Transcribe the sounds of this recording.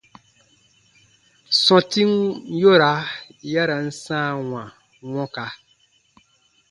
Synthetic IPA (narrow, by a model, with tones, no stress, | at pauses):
sɔ̃˨ti˦ŋ˦jo˦ɾa˨˦ja˦ɾa˨n̩˦sãː˦˨wã˨ | wɔ̃˦ka˨